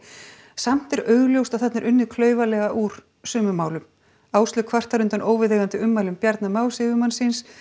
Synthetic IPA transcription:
sam̥t̪ɛɾœːɥɣljowst̪awθɛt̪naɾʔʏnːɪkʰlœːɥvalɛɣaʔuːɾ̥ | sʏːmʏmaːwlʏm | aːwst̪lʏkʰvar̥t̪aɾʏnt̪anoːwvɪðeɣant̪ɪʏmːajlʏmpjaɾt̪namawlsɪvʏmansɪns

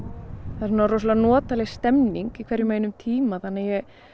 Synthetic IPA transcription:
θaɾsnaɾos̬lanɔːt̪alɛɣst̪ɛmniŋkikʰvɛɾjʏmaːjnʏmt̪ʰiːmaθanːajɛɣ

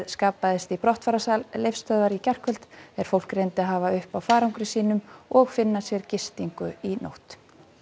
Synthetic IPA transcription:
skaːpːaðɪst̪ipɾɔht̪faːɾasallejfst̪œːðvaɾicɛr̥kvœlt̪ɛɾ̥fowl̥kɾejnt̪ɪaɦaːvaʏhpawfaːɾawŋkɾɪsiːnʏmɔɣfɪnːasjɛɾcɪst̪iŋkʏino̰wht̪

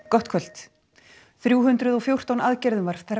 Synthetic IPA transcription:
kɔht̪kʰvœl̥t̪ | θɾjuːɦʏnt̪ɾʏðɔɣfjowr̥t̪anaðcɛɾðʏmvaɾ̥θaɾ

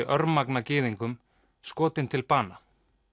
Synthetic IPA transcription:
ʔœɾmaknacɪːðiŋkʏm | skɔːt̪ɪnt̪ʰɪlpaːna

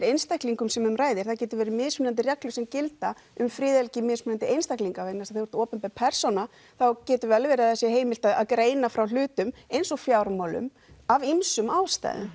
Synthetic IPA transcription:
ɾejnst̪ahkliŋkʏmsɛmʏmraːjðɪɾ̥θawcɛːt̪ʏvɛːɾɪmɪðsmɪnant̪̬ɪrjɛklʏsɛmcɪlt̪a | ʏmfɾɪːðɛlcɪmɪːsmnant̪ɪejnst̪ajkliŋkavejnasḁθɪhvɔɾ̥t̪ɔːpʏnmpɛpʰɛr̥sɔna | θawcɛːt̪ʏvɛlvɛːɾɪaðθɛsːɪɦeːjmɪlt̪aða̰ðkɾeːjnafɾawl̥ʏːt̪ʏmejnsɔfjawɾmawlʏ̰m | avimsʏmawst̪a̰jðɪ̰m

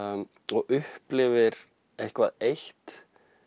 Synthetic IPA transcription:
ɔɣʏhplɪvɪɾ | ehkva̰ðejht̪

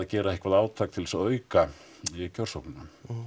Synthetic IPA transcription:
acɛːɾaehkvaðaːwt̪ʰaːk̚t̪ʰɪlsaœːɥka | cʰœɾ̥sowknʏna

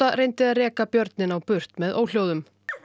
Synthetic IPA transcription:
aɾejnt̪ɪðaðrɛːkapjœɾt̪nɪnawpʏr̥t̪mɛðʔo̰ːwl̥jowðʏm

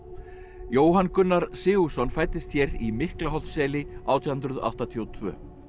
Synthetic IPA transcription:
joːwɦankʏnːaɾsɪːɣusɔnfaːjt̪ːɪst̪çɛɾimɪhklaɦɔl̥t̪sɛːlɪaːwt̪ʰihʏnt̪ɾʏða̰wht̪at̪ʰiowt̪ʰvœ̰ː

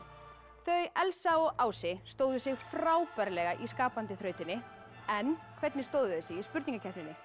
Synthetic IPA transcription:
θœɥɛlsaɔɣʔaːwsɪst̪oːwðʏsɪɣfraːwpɛɾlɛɣaʔiskaːpant̪ɪθɾœːɥt̪ɪnːɪ | ɛnːkʰvɛt̪nɪst̪oːwðʏðɪsɪɣispʏɾt̪iŋkacʰɛt̪nɪnːɪ

